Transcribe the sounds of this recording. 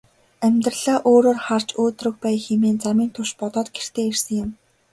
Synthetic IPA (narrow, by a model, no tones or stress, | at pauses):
æmʲt̪rə̆ɮaːʔoːɾoːrχart͡ɕoːt̪rɵ̆k̚pæːjxemeːnt͡samiːnt̪ʰʊʃpɔt̪ɔːt̪ɡer̥t̪ʰeːersə̆ŋjɪ̆m